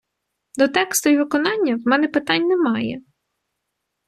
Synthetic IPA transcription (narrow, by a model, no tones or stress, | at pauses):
d̪ɔt̪ɛkst̪ʊjiʋɪkɔnɑnʲːɐwmɛnɛpɪt̪ɑnʲnɛmɑjɛ